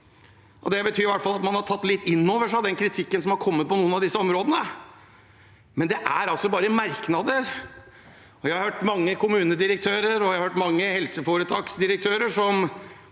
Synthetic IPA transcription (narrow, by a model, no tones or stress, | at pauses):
ʔɔd̪ɛbət̪ʰyːɾɪʋæʈːfɑlɑt̪mɑnhɑʈʰɑt̪ːlɪt̪ːɪnːoːʋəʂɑd̪ɛnkʰɾɪt̪ʰɪkːənsɔmhɑɾkʰɔmːət̪̚pʰɔnuːənɑʋd̪ɪsːəɔmɾoːd̪ənə | mɛnd̪ɛʔæɾɑlsɔbɑːɾəmæɾknɑd̪əɾ | ɔjæhɑɾhøːʈmɑŋːəkʰʊmʉːnəd̪ɪɾək̚t̪ʰøːɾəɾɔæɑɾhøːʈmɑŋːəhɛlsəfoɾət̪ʰɑːksd̪ɪɾək̚t̪ʰøːɾəʂɔm